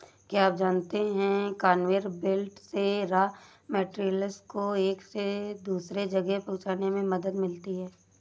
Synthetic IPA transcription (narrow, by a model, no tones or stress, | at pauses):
kjaːaːp̚d͡ʒaːnt̪eɦɛ̃kaːnʋeːɾbɪlʈseɾaː | mɛːʈɾilɪskoeːksed̪uːsɾed͡ʒɐɡɛpɐ̃ɦʊt͡ʃaːnemẽmɐd̪əd̪mɪlt̪iɦɛː